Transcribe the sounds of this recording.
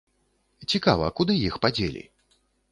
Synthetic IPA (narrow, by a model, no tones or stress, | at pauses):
t͡sʲikavɐ̰kud̪ɨjixpad͡zʲelʲḭ